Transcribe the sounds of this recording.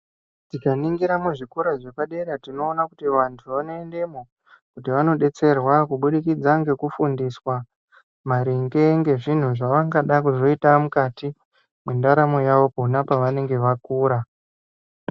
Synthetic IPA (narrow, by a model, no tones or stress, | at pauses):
tikaniŋɡiɾamuʐikuɾaʐe̞paɗe̞ɾatino̞ːnakutiʋantʰuʋanoende̞mo | kutiʋano̞ɗe̞t͡se̞rwakuɓuɗikid͡zaŋɡe̞kufundiswa | maɾiŋɡe̞ŋɡe̞ʐin̤uʐaʋaŋɡaɗakuʐo̞itamukati | mendaɾamo̞jaʋo̞pounapaʋane̞ŋɡe̞ʋakuːɾa